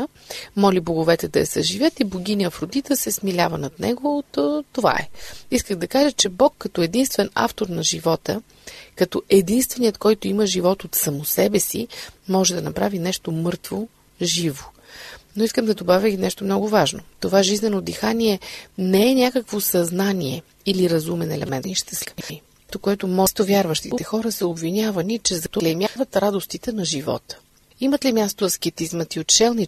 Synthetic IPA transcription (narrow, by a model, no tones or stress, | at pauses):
mɔliboɡʊvɛt̪ɛd̪ɐɐ̰sɐʒivʲjət̪iboɡ̟ʲiniəfɾod̪it̪əsɛsmilʲavənɐt̪nɛ̰ɡot̪t̪ova̰ɛ̰iskəɣd̪ɐkaʒət͡ʃɛbɔkːɐt̪ɔɛd̪inst̪vɛna̰ft̪oɾnɐʒivɔt̪ə | kɐt̪ɔʔɛd̪inst̪vɛnijət̪kɔjt̪ʊiməʒivɔt̪ot̪sɐmosɛbɛsḭmɔʒɛd̪ɐnɐpɾavinɛʃt̪omɤɾt̪vo | ʒivo | noiskəmd̪ɐd̪obavʲəinɛʃt̪omnɔɡʊvaʒno̰t̪ovaʒiznɛnod̪ixanʲiɛnɛɛnʲakəkvosɐznaniɛ | iliɾɐzumɛnɛlɛ̰mɛnniʃt̪ɛsi | t̪okoɛt̪omɔst̪ovʲjaɾvɐʃt̪it̪ɛxɔɾəsəobvinʲavɐnit͡ʃɛzɐt̪olɛmjaxvɐt̪ɾad̪ost̪it̪ɛnɐʒivɔ̰t̪ | imət̪limʲjast̪oɐskɛt̪izmɐt̪iot̪t͡ʃɛlˠni